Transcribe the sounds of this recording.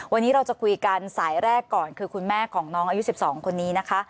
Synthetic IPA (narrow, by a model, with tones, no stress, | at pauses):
wa˧nːiː˦˥ɾa˧wt͡ɕa˨˩kʰu˧jka˧nsaː˩˦jɾɛː˥˩kːɔː˨˩nkʰɯː˧kʰu˧nmɛː˥˩kʰɔː˩˦ŋnɔː˦˥ŋʔa˧ju˦˥si˨˩p̚sɔː˩˦ŋkʰo˧nːiː˦˥na˦˥kʰa˦˥ʔ